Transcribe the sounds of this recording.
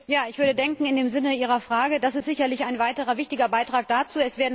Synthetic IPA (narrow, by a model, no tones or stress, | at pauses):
jaːɪçv̥ʏɐdədɛŋkŋ̩ɪndeːmzɪnəiːʁ̞ɐfʁ̥aːɡədasɪstz̥ɪçɐlɪçaɪnvaɪtəʁɐvɪçtɪɡɐbaɪtʁ̥aːk̚d̥at͡suːɛsv̥eːɐdn̩